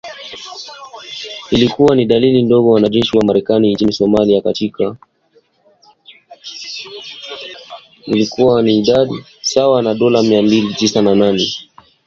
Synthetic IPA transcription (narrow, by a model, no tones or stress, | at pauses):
ilikuwaniɗalilindɔɠɔwanaʄɛʃiwamaɾɛkanint͡ʃinisɔmaliakatikʰa | ilikuwaniːɗaɗi | sawanaɗɔlamiambilitisanananɛ